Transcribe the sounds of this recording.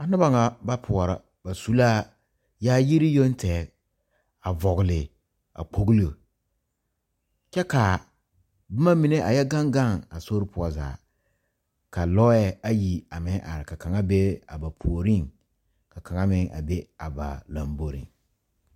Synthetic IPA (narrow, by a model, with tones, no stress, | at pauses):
a˨nɨ˦ba˦ŋa˨ba˦pʰʊ˨ɔ˨ɾa˦ | ba˨su˦laː˦ | jaː˦ji˦ɾi˦jo˦n˦tʰɛː˨˦˨ | a˨vɔ˨ɣɪ˨lɪ˨ | a̰˨k͡po˨ɡli˦˨ | kɛ˦ka˨ | bɪ˦ma˦mi˨ne˦ʔa˨jɛ˦ɡa˦ŋɡa˦˨ŋa˨so˦ɾɪ˦pʰʊ˨ɔ˨˦za̰ː˨ | ka˨lɔ˦jɛ˦a˦ji˨a˨mɪ˦ʔa̰˨ɾɪ˨ka˨ka˨ŋa˦be˦a̰˨ba˨pʰu˨o˨ɾi˦ŋ | ka˨ka˨ŋa˦mɪ˦ŋʔa̰˨be˦a˨ba̰˨la˨mbo˨ɾḭ˨ŋ